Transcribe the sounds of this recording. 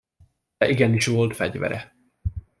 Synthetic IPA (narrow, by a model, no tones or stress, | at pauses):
ɛʔiɡɛniʃʋo̞lt̪fɛɟvɛ̰ɾɛ